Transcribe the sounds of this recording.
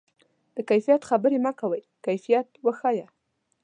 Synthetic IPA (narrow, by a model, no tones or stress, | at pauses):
d̪̥əkajfijat̪xabəɾemɑkawəj | kajfijat̪wəxɑja